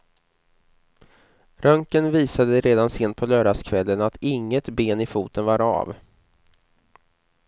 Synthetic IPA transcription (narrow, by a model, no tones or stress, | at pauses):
ɾœŋkənviːsad̪əɾeːd̪anseːnt̪̚pʰɔlœːɖaskʰvɛlːənat̪ʰɪŋːət̪beːnɪfuːt̪ənvaɾa̰ːv